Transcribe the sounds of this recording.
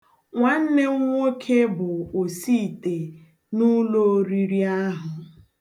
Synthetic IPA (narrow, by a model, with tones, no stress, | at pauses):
ŋʷa˨n̩˦ne˦ŋʷo˦kʰe˦bʊ˨o˨si˦˨te˨ | nu˦lo˦o˦ɾi˨ɾi˦a˦ɦʊ˨